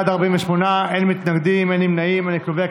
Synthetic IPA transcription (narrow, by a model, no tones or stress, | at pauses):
ad̪aʁbimeʃmonaʔenmit̪naɡd̪imenimnaimaniklovea